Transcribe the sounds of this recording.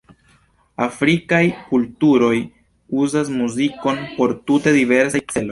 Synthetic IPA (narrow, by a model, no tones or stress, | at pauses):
afɾikajkultuɾo̞j | uzas̬muziko̞npo̞ɾtute̞dive̞ɾsajt͡se̞lo̞j